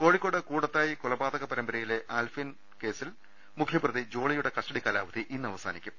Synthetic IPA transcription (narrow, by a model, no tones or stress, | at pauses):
ko̞ːɻikʲːo̞ːɽɨkuːɽɐt̪ːaːjikulɐbaːd̪ɐɣɐpɐɾɐmbɐɾɐjile̞ʔaːlfin | ke̞ːsil | mukʰjɐprɐðid͡ʑo̞ːɭɐjuɽe̞kɐʂʈɐɽikalaːʋɐd̪iʔinːɨɐʋɐsa̰ːnikʲːum